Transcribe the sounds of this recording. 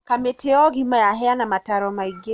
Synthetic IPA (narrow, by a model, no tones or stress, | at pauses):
kameteɔɣimajaɦɛanamataɾɔmaiɡe